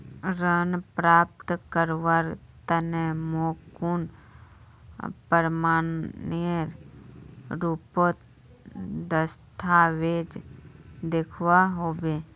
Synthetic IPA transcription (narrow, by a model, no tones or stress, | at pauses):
ɾənpɾaːp̚t̪kəɾʋaɾ | t̪ənemoːkun | pəɾmaːnniəɾ | ɾupot̪ | d̪əst̪ʰaʋeːd͡ʒ | d̪ekʰwaɦoːbe